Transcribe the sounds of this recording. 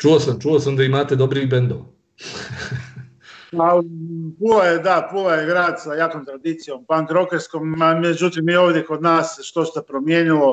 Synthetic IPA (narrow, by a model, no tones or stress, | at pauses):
t͡ʃuosamt͡ʃuosamd̪aimaːt̪ed̪obɾibend̪oʋ | palipulajed̪apulajeɡɾaːd̪sajaːkomt̪ɾad̪iːt̪sijo̞mpaŋkɾokeɾskomamed͡ʒut̪imioːʋd̪jeko̞d̪naːseʃt̪o̞st̪apɾomjeːɲilo̞